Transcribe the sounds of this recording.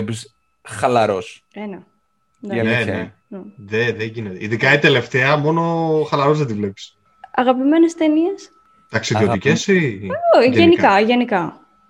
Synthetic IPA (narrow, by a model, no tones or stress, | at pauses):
epis | xɐlɐɾos | enɐ | nene | nðeðeɲʝinet̪eiðikɐit̪e̞le̞ft̪e̞ɐmo̞no̞xɐlɐɾo̞zðed̪ivle̞pi̥s | ɐɣɐpime̞nest̪enies | t̪ɐksiðiot̪icesioienikkɐʝenikɐ